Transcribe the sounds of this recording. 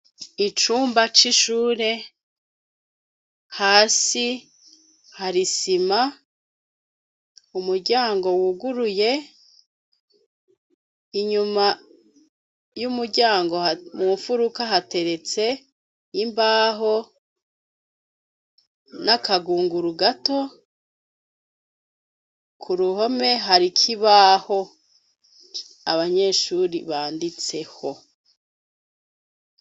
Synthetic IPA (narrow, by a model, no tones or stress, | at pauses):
it͡ʃuːmbat͡ʃiʃuːɾe̞ | haːsi | haɾisima | umuɾɟaːŋɡo̞wuɡuɾuje̞ | iɲuma | jumuɾɟaːŋɡomuɱfuɾukaɦate̞ɾe̞t͡se̞ | imbaːɦo̞ | nakaɡuːŋɡuɾuɡato̞ | kʰuɾuho̞me̞ɦaɾikʰiβaho̞ | aβaɲe̞ːʃuːɾiβaːndit͡se̞ho